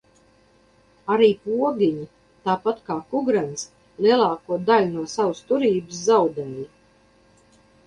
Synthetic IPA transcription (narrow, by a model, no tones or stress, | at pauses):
aɾiːpuɔɡʲiɲi | t̪aːpat̪kaːkuɡɾans | lˠiɛlˠaːkuɔd̪alʲunuɔsawst̪uɾiːbɨszawd̪ɛːja